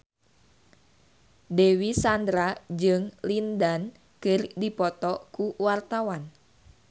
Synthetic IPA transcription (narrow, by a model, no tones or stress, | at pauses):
dewisand̪ɾad͡ʒɨŋlindan | kɨrdipɔt̪ɔkuwart̪awan